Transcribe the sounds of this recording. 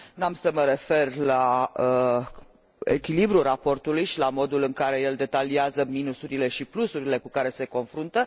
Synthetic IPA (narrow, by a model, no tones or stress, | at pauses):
namsəməɾe̞fe̞rlaə | ḛkʲilibɾurapo̞rt̪ulujʃilamo̞d̪ulɨŋkaɾe̞je̞ld̪e̞t̪aliazəminusuɾile̞ʃiplusuɾile̞kukaɾe̞se̞ko̞nfɾunt̪ə